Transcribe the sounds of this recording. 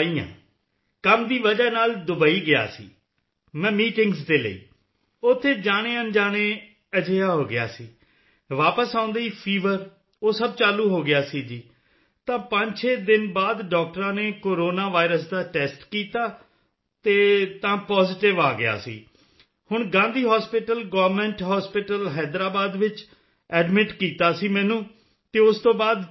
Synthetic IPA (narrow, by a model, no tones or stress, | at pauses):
iːã̰ː | kəmd̪iːʋəd͡ʒaːnaːld̪ʊbaːiːɡɪja̰ːsḭː | mɛ̃ːmiːʈɪ̃ŋɡsd̪eːlə̰ḭː | ʊt̪ʰːeːd͡ʒaːɽ̃eːənd͡ʒaːɽ̃eː | əd͡ʒejaːɦoːɡɪja̰ːsiː | ʋaːpəsãːʊ̃nd̪aːiːpʰiːʋəɾ | oːsəb̚t͡ʃaːluːɦoːɡɪjaːsiːd͡ʒiː | t̪ãːpəɲt͡ʃʰeːd̪ɪnbaːd̪ɖɔːk̚ʈəɾãːneːkoːɾoːnaːʋaːɪɾəs̬d̪aːʈɛːsʈkiːt̪aː | t̪eːt̪ãːpɔːzɪʈɪʋaːɡɪja̰ːsḭː | hʊɳɡãːnd̪iːɦɔːspɪʈəlɡɔːʋɾmɛ̃ːɳʈɦɔːspɪʈəlɦɛːd̪ɾaːbaːd̪ʋɪt͡ʃ | ɛːɖmɪʈkiːt̪aːsiːmɛ̃ːnũː | t̪eːʊst̪õːbaːd̪